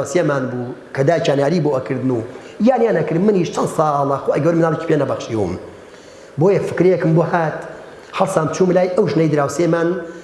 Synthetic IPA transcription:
wsemaːnbuːkʰɐd̪aːjt͡ʃʰaːnjaːɾiːboɐkʰɨɾd̪ɨnuː | jaːnjaːnɐkɨɾmɨniʃt͡ʃʰɐnd̪sɑːlˠɐxoːʔɐɡɐwɾmɨnaːlˠet͡ʃi̥pʰʲenɐbɐxʃiwṵm | boːjɐfɨkɾjɛkɨmbohaːt̪ | hɐlsaːmt͡ʃʰuːmlaːjʔɐwʒnɐjd̪ɨɾaːwsemaːn

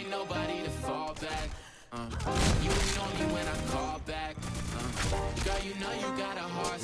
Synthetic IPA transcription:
noʊbəɾiɾɨfɔlˠbæk̚ | jɨwⁿnõʊ̃njiwɛ̃ñãɪ̃kʰɔlˠbæk̚ | ɡ̥ʌjɨnoʊjɨɡɑɾəɦɑɹs

